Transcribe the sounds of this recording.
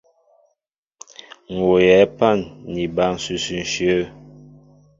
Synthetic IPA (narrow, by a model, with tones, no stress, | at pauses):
ŋ̩˨o˨jɛ˨˦pa˦˨nːi˨ba˦˨n˨sʉ˨sʉ˨n̩˨ʃjə˦